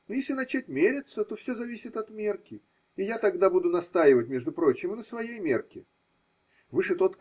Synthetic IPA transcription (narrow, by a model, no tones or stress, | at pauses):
nojesʲlʲɪnɐt͡ɕætʲmʲeɾʲɪt̪sət̪o̞fsʲozɐvʲisʲɪt̪ɐt̪mʲe̞rkʲɪ | ɪjat̪ɐɡd̪abud̪ʊnɐst̪ajɪvətʲmʲe̞ʐd̪ʊpɾo̞t͡ɕːɪmnəsvɐjejmʲe̞rkʲɪ | vɨʂɨt̪o̞t̪